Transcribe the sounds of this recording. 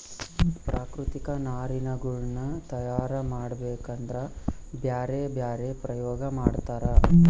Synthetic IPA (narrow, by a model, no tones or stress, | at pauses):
pɾʔaːkɾut̪ikɐnaːɾinɐɡuɭnɐt̪ɐjaːɾɐmaːɽbeːkɐnd̪ɾɐbjaːɾebjaːɾepɾɐjɔːɡɐmaːɽt̪aːɾɐ